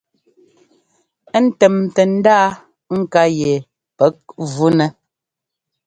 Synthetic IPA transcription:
ɛ˦n̩˦tɛ˨mtɛ˨n̩˦daː˦ | ŋ̩˦ka˦jɛ˨ | pɛ˨˦k̚vu˦nɛ˦

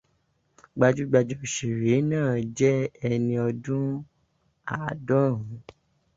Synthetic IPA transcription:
ɡ͡ba˧d͡ʒu˦ɡ͡ba˧d͡ʒɔ˧˨ʃe˨ɾe˨˦nãː˦˨d͡ʒɛ˦ɛ˧nĩ˧ɔ˧dũ˦ | a˨dɔ˦˨ɾũ˨˦

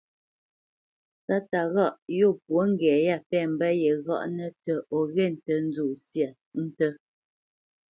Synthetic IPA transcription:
sa˦ta˨ɣɔ˦˨ʔjo˦˨pwo˨˦ŋ̩˦ɡɛː˨ja˦˨pɛː˦˨m̩˨bə˦jɛ˨ɣɔ̰˦˨ʔnə˦tə˨ɔ˨ɣɛ˦˨n̩˨tə˨n̩˦d͡zo˨sja˨ | n̩˦tə˦

